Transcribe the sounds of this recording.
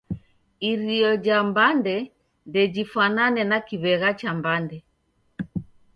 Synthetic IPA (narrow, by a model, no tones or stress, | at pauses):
iɾiɔd͡ʒambandɛ | ndɛd͡ʒifananɛnakiβɛɣat͡ʃambandɛ